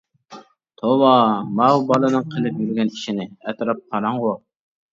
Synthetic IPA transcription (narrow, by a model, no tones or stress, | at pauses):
t̪ʰowɑmɑubɑlˠɨnɨŋqʰəlˠɨpjyɾɡʲɛni̥ʃinɪɛt̪ɾɑp̚qʰɑɾɑɴʁʊ